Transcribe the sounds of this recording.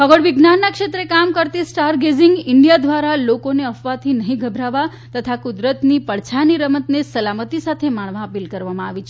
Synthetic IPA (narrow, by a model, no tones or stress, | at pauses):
ɦəɡəɽʋɪɡnanːakʃet̪ɾekamkəɾt̪isʈaɾɡeziŋɡɪɳɖijad̪ʋaɾalokoneəfʋat̪ʰinəɦĩɡʱəbʱɾaʋa | t̪ət̪ʰakud̪ɾət̪nipəɭt͡ʃʰaniɾəmət̪nesəlamət̪isat̪ʰemaɳ̃ʋãəpilkəɾʋamãaʋit͡ʃʰe